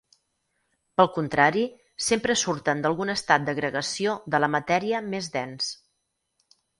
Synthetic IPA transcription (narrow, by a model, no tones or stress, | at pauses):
pəlˠkunt̪ɾaɾi | sempɾəsuɾt̪ənd̪əlˠɣunəst̪at̪̚d̪əɣɾəɣəsioðələmət̪ɛɾiəmezðɛns